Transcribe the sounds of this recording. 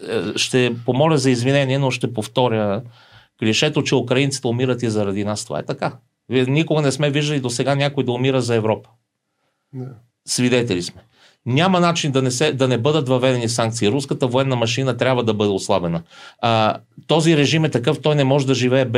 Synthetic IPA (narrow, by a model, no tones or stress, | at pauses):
ʃt̪ɛpomɔlʲəzɐizvinɛniɛnoʃt̪ɛpoft̪ɔɾʲjə | klʲiʃɛt̪ot͡ʃɛukɾɐint̪si̥t̪ɛʊmiɾət̪izɐɾɐd̪inast̪ova̰ɛ̰t̪ɐka | vinikoɡɐnɛsmɛviʒd̪əlʲid̪osɛɡanʲakoid̪ɐʊmiɾəzɐɛvɾɔpə̥ | svid̪ɛt̪ɛlismɛ | nʲamɐnat͡ʃind̪ɐnɛsɛd̪ɐnɛbɤd̪ət̪vɐvɛd̪ɛnisaŋk̚t̪siːɾuskət̪əvoɛnːɐmɐʃinət̪ɾʲabvəd̪ɐbɤd̪ɛoslˠabɛnə | t̪ɔziɾɛʒimɛt̪ɐkɤft̪ɔjnɛmɔʒɛd̪ɐʒivɛːb